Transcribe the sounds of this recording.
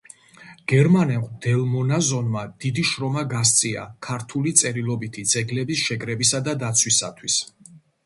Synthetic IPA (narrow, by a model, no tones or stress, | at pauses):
ɡ̥ɛɾmanɛqʼd̪̥ɛlˠmɔnazɔnmad̪̥id̪iʃɾɔmaɡas̬t̪sʼia̰kʰaɾt̪ʰulit̪sʼɛɾilˠɔbit̪ʰid̪z̥ɛɡlɛbisʃɛkʼɾɛbisad̪ad̪at̪sʰwisa̰t̪ʰwis